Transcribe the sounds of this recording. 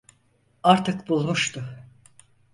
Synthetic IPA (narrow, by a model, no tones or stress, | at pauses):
aɾt̪ʰɯkbulˠmuʃt̪ʊ